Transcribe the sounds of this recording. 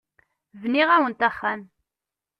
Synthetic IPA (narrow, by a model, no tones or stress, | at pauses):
vniʁæwənt̪æχːan